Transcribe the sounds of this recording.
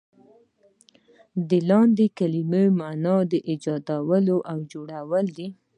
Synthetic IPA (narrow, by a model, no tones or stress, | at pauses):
d̪əlɑnd̪ekaliməjmanɑd̪əʔɪd͡ʒɑd̪awəloʔawd͡ʒoɽawəld̪i